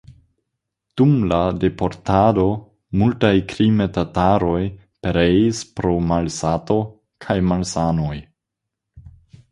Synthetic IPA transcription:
d̥umlade̞po̞ɾtado̞ | multajkɾimetataɾo̞j | peɾejispɾo̞malsato̞ | kʰajmalsano̞j

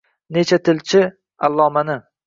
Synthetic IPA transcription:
net͡ʃʰat̪ʰɪlt͡ʃʰɪ | alˠːɒːmanɪ

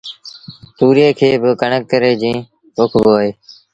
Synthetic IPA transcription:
t̪uːɾeːkʰeːbəkəɳəkːəɾeːd͡ʒĩː | okʰboːɦeː

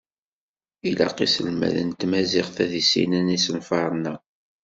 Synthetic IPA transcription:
ilɑ̰qisəlmæ̰ðə̰nt̪mæzɪʁθæðisḭnænisənfɑɾˤnːæ

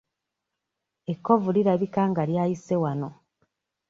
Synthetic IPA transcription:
ekːo̞vuliɾaβikaːŋɡaljaːjise̞wano̞

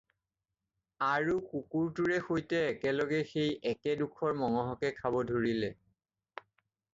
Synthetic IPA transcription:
aɹukukuɹtuɹɛxojtɛːkɛlɔɡɛxejɛkɛdukʰɔɹmɔŋɔɦɔkɛkʰabɔdʱoɹilɛ

